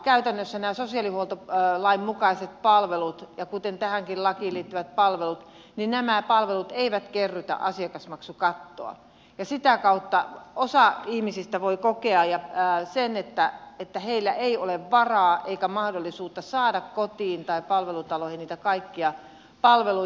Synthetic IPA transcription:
kæyt̪ænːøsːænæːsosiɑlihuolt̪olɑimmukɑiset̪̚pɑlʋelut̪jɑkut̪ent̪æhæŋkillɑkiliːt̪ːyʋæt̪̚pɑlʋelut̪ | ninnæmæpɑlʋelut̪eiʋæt̪kerːyt̪æ̰ʔɑsiɑkɑsmɑksukɑt̪ːo̰ɑ̰ | jɑsit̪ækɑut̪ːɑosɑihmisist̪æʋoikokeɑjɑsenet̪ːæet̪ːæheilːæʔeioleʋʋɑrɑːʔeikæmɑhdolːisuːt̪ːɑsɑːdɑkkot̪iːnt̪ɑipɑlʋelut̪ɑlohiniːt̪ækɑikːiɑ | pɑlʋelu

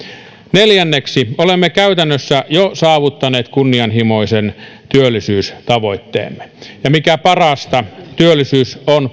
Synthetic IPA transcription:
neljænːeksiolemːekæyt̪ænːøsːæjosɑːʋut̪ːɑneːt̪kunːiɑnhimoisen | t̪yølːisyːst̪ɑʋo̞it̪ːḛːmːejɑmikæpɑrɑst̪ɑt̪yølːˑisyːson

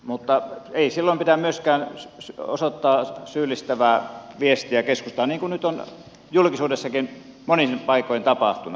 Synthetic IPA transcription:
mut̪ːɑeˑisilːompit̪æmyøskæːnso̰sot̪ːɑːsyːlːˑist̪æʋæːʋiest̪iækeskust̪ɑːniːŋkunnyt̪on | julkisuːdesːɑkinmonipɑˑikˑoˑjent̪ɑpɑht̪unɑ

